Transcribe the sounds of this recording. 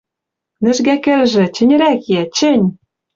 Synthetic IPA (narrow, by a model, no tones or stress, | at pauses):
nɘ̆ʒɡækɘ̆lʒɘ̆t͡ɕɘ̆nʲɘ̆ɾækjæt͡ɕɘ̆nʲ